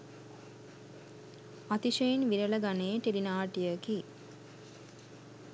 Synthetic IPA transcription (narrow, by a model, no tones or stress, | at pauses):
at̪iʃəinʋiɾələɡaneːʈiɾinaːʈijəki